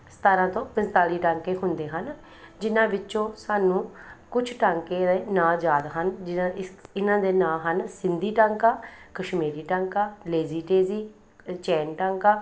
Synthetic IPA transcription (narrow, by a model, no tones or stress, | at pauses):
st̪əːɾãːt̪õːpɪ̃nt̪aːliːʈãŋkeːɦʊnd̪eːɦən | d͡ʒɪnãːʋɪt͡ʃːt͡ʃõːsaːnũːkʊt͡ʃʰʈaŋkeːdeːnãːd͡ʒaːd̪ɦənd͡ʒɪãɪnãːd̪eːnãːɦənsɪnd̪iːʈaŋkaːkəʃmeːɾiːʈəŋkaːleːziːʈeːziː | t͡ʃɛːnʈaŋkaː